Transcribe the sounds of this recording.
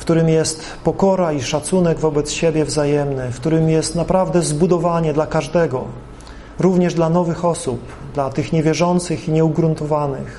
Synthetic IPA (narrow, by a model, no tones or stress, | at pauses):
fkt̪uɾɘmjɛst̪ | pɔkɔɾaiʂat̪sunɛɡvɔbɛt̪sɕebʲjɛvzajɛmnɘfkt̪uɾɘmjɛst̪napɾavd̪ɛzbud̪ɔvaɲɛd̪lakaʐd̪ɛɡɔ | ɾuvɲɛʐd̪lanɔvɘxɔsup | d̪lat̪ɘxɲɛvʲjɛʐɔnt̪sɘxiɲɛuɡɾunt̪ɔvanɘ̰x